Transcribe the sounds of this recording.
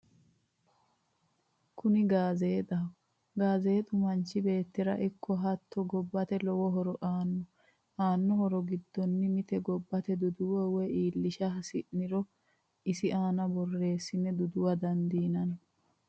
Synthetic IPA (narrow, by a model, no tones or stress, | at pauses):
kʰʊnɪɡaːze̞ːt̪ɐ | ɡaːze̞ːt̪ʼʊmɐnt͡ʃːɪbe̞ːt̪ːɪɾɐ̰ʔɪkʰːɔɦɐt̪ʰːɔɡɔbːɐt̪ɛlɔwɔɦɔɾɔʔaːnːɔ | ʔaːnːɔhɔɾɔɡɪd̪ːɔnːɪmɪt̪ɛɡɔbːɐt̪ɛd̪ʊd̪ʊwɔwɛiːlːɪʃɐɐsɪʔnɪɾɔ | ɪsɪʔaːnɐbɔrːe̞ːsːɪnɛd̪ʊd̪ʊwɐd̪ɐnd̪iːnɐn